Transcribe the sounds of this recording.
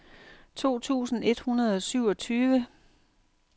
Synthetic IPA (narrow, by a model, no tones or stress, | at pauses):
t͡sʰo̝̰ːt͡sʰṵːsn̩e̝d̥hunɐð̞̩ˠɒ̽syʊɒ̽t͡sʰyːʋə